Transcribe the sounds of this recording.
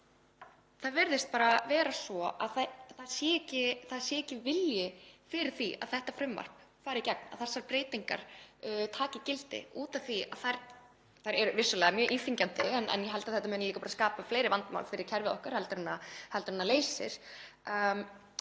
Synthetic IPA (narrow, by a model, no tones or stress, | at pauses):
θaðvɪɾðɪst̪paːɾavɛːɾasvɔaðθaθaðsjɛːcɪθaðsjɛːcɪvɪljɪfɪɾɪɾ̥θia̰ðθɛht̪afɾʏmːa̰r̥pfaːɾɪcɛk̚na̰ðθasːaɾpɾeːjt̪iŋka̰ɾ̥t̪ʰaːcɪcɪlt̪ɪ̰uːt̪aθia̰ðθajɾ | θajɾɛɾʏvɪsːʏlɛːɣamjœːʔinfiɲcant̪ɪɛnʔɛ̰njɛɦɛlt̪aðθɛt̪amɛːnliːkapaɾaskaːpafleːjɾɪvant̪ma̰wlfɪɾɪɾ̥cʰɛɾvɪðɔhkaɾ̥hɛlt̪ɾʏnːahɛlt̪ɾɪnːaleːjsɪ̰ɾ̥